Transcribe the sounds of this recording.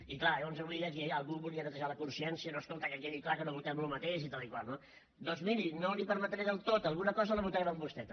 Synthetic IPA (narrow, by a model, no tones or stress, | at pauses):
iklaɛwnzuβliðək̬iəlˠɣuβulˠiənət̪əʒaləkunsiɛnsiənoəskolˠt̪əkəkeniklakənoβut̪ɛmlumət̪eʃit̪alˠikwalˠno | d̪ɔnzmiɾinolipəɾmət̪ɾeðəlˠt̪ot̪əlˠɣunəkɔzələβut̪ɾɛməmbust̪ɛt̪